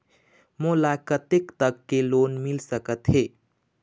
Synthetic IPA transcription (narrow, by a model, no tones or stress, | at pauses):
molakət̪ekt̪əkːelonmilsəkət̪ɦe